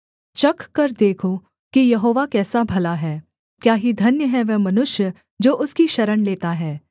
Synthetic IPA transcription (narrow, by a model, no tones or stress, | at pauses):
t͡ʃɐkːɐɾd̪eːkʰo | kijɐɦoːʋakɛːsabʱɐlaɦɛː | kjaːɦid̪ʱɐnjəɦɛʋɛmɐnʊʃjə | d͡ʒoːʔʊskiʃɐɾəɳleːt̪aɦɛː